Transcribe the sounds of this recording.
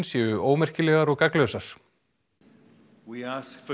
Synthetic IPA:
nsjɛʏʔoːwmɛr̥cɪlɛːɣaɾɔɣkaklœɥsaɾ̥ | wiaskf

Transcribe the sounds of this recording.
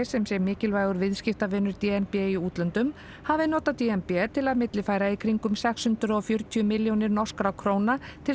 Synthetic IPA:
sɛmsɛɾmɪːcɪlvaːjɣʏɾvɪðscɪft̪avɪːnʏɾt̪iɛnpɛiuːt̪lœnt̪ʏm | havɪnɔːt̪at̪iɛmpɛt̪ʰɪlaðmɪt̪lɪfaːjɾaikʰɾiŋkʏmsɛkshʏnt̪ɾʏɔɣfjœɾ̥t̪ʰʏʏmɪljownɪɾnɔ̥skɾakʰɾoːwnat̪ʰɪl

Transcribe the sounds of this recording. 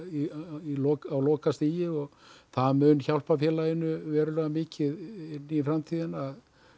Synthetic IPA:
iilɔːkawlɔːkast̪iːjɪɔɣθaðmʏnçawl̥pafjɛːlajɪnːʏvɛːɾʏlɛːɣamɪːcɪðɪnːiifɾamt̪ʰiːðɪnað

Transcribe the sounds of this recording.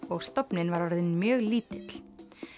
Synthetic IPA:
ɔɣst̪ɔpnɪnvaɾɔɾðɪnmjœːɣliːt̪ɪt̪l̥

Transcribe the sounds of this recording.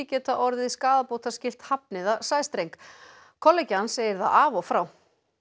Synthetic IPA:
ɪcɛːt̪aʔɔɾðɪðiskaːðapoːwt̪ascɪl̥t̪hap̚nɪðasaːjst̪ɾejŋk | kʰɔlːɛjcɪhansːeːjɪɾθa̰ðavɔfɾaːw

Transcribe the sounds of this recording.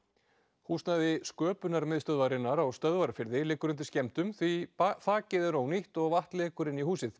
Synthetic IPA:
huːst̪naðɪskœːpʏnaɾmɪðst̪œðvaɾɪnːaɾawst̪œðvaɾafɪɾðɪlɪːkːʏɾʏnt̪̬ɪ̥scɛm̥t̪ʏmθviθaːcɪðɪɾowniht̪ɔɣvaht̪leːkʏɾɪnːiɦhuːsɪθ

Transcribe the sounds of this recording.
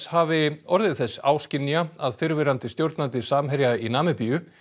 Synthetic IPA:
shaːvɪɔɾðɪðθɛsːa̰ːwscɪnːiaaðfɪɾvɪɾant̪ɪst̪jowɾt̪nant̪ɪsaːmɦɛɾjainaːmɪpijʏ

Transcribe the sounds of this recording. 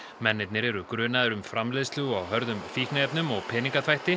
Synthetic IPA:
mɛnːɪt̪nɪɾɛɾʏkɾʏːnaðʏɾʏmfɾamleðst̪ɪwawɦœɾðʏmfiːhknaɛpnʏmɔɣpʰɛːniŋkaθvajht̪ɪ

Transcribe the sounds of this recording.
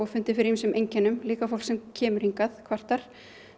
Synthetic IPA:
ɔɣfʏnt̪ɪfɪɾɪimiːsʏmʔejɲcɛnːʏmliːkafowl̥ksɛmcʰɛːmʏɾ̥hiŋkaðkʰvar̥t̪aɾ̥

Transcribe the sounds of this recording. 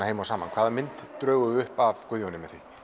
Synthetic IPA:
heːjmawsaːmankʰvaːðamɪnt̪ːɾœːwɣʏɣʏhpavkʏðjɔnɪmɛθvi

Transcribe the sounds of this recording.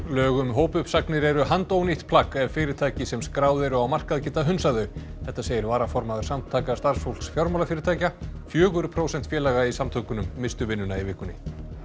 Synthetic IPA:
lœːɣʏmɦoːwpʏpsaknɪɾɛɾʏɦant̪owniht̪pʰlakɛvfɪːɾɪɾt̪ʰaːjcɪsɛmskɾaːwðɪɾʏawmar̥kaðacɪːt̪ːaɦʏnsaðʏ | θɛht̪ːaseːjɪɾvaːɾafɔɾmaðʏɾ̥samt̪ʰaːjkast̪aɾ̥sfowlksfjɔɾmalafɪːɾɪɾt̪ʰaːjcafjœːɣʏɾpʰɾowsɛn̥t̪fjɛːlaɣaisamt̪ʰœkʏnʏmːɪst̪ʏvɪnːʏnaivɪhkʏnɪ̰

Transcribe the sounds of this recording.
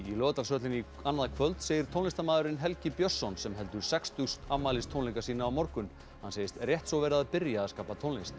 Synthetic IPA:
ilœːt̪alsœt̪lɪni | anːaðakʰvœlt̪seːjɪɾ̥t̪ʰownɪst̪amaːðʏɾɪnɦɛlcɪpjɔsːɔnsɛmɦɛl̪t̪ʏɾ̥sɛkst̪ʏst̪amaːlɪst̪ʰowniŋkasiːnaːwmɔɾkʏn | hanseːjɪst̪rjɛht̪sɔvɛːɾaaðpɪɾjaːðskaːpat̪ʰownɪst̪

